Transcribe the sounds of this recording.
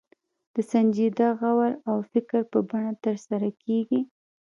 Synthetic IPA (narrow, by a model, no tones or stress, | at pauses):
d̪̥əsand͡ʒid̪aɣawaɾawfɪkɾpəbaɳat̪əɾsaɾakʰeɡi